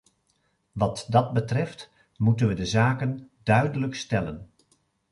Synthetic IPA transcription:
ʋɑtdɑd̚bətrɛft | mutənʋədəzaːkəndœɥdələkstɛlən

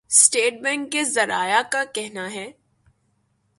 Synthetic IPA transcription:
sʈeːʈ̚bɛ̃ɳkːezɐɾaːjakakɛɦnaɦɛː

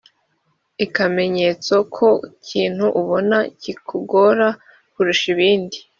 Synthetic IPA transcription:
ikame̞ɲe̞t͡sokʰo̞cʰiːn̥huʔuβo̞nacikʰuɡo̞ɾa | kuɾuʃiβiːndi

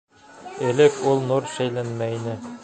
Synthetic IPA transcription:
ɘ̆lɘkulˠnuɾʃæjlænmæinɘ

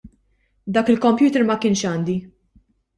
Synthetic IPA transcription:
d̪ɐːkɪlkɔmpjuːt̪ɛɾmɐkɪːnʃɐːnd̪i

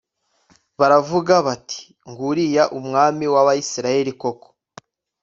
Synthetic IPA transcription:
βaɾavuɡaβatʰi̥ | ŋɡuɾijaʔumŋaːmiwaβaisiɾaje̞ɾiko̞ko̥

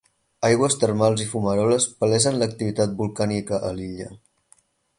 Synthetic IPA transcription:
ajɣwəst̪ərmalˠzifuməɾɔləspəlɛzənlək̚t̪iβit̪at̪̚bulˠkanikəʔəliʎə

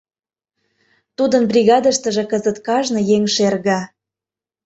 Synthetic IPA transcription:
t̪ud̪ənbrʲiɣɑd̪ə̆ʃt̪ə̆ʒĕkəzət̪kɑʒnɤ̆jeŋʃerɣɑ

